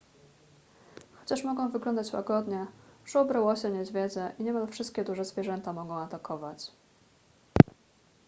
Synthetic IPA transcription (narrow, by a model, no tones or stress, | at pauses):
xɔt͡ɕaʂmɔɡɔ̃w̃vɘɡlɔnd̪at͡ɕwa̰ɡɔd̪ɲɛʐ̥ɛɔbɾawɔɕɛɲɛzvʲjɛd̪zɛʔiɲɛmalfʂɘst̪kʲɛd̪uʐɛzvʲjɛʐɛnt̪amɔɡɔ̃w̃at̪akɔvat͡ɕ